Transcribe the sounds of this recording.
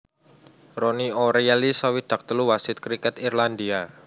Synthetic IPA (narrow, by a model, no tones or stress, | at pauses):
ronioɾalisawid̪̥ä̤k̚t̪əluwasɪt̪̚kɾikɛt̪irland̪ia